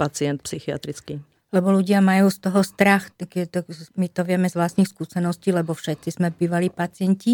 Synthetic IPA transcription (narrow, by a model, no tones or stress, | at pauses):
pat͡siɛnt̪̚psixia̰t̪ɾit͡ski | lɛbɔluɟɪamajuːst̪ɔɦɔst̪ɾaxkt̪ɔmit̪ɔʋɪɛmɛzʋlast̪niːxskuːsɛnɔsciːlɛbɔfʃɛt̪sizmɛbiːʋaliːpat͡sɪɛɲci